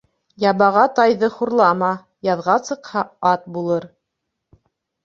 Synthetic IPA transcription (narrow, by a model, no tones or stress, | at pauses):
jɑβɑʁɑt̪ɑjðɤχuɾlˠɑmɑ | jɑðʁɑsɤ̆qhɑɑt̪̚bulˠɤɾ